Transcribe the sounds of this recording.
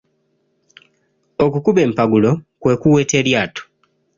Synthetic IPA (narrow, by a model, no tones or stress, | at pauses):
o̞kukuβe̞ːmpaɡulo̞kwe̞ːkuwe̞ːte̞ɾjaːto̥